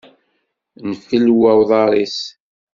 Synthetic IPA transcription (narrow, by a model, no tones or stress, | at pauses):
nfəlwæwðˤɑɾˤis